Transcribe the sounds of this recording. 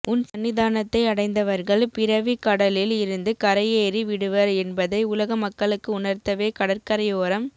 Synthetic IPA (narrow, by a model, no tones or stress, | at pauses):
ʔʊnsɐnʋɪðaːnɐt̪ːɐɪɐɽɐɪnd̪ɐʋɐɾɣɐɭpɪɾɐʋikɐɽɐlɪlɪɾɯnd̪ɯkɐɾɐjeːɾiʋɪɽɯʋɐɾɛnbɐðɐɪʊlɐɣɐmɐkːɐɭɯkːɯʊnɐɾt̪ːɐʋeːkɐɽɐɾkɐɾɐjoːɾɐm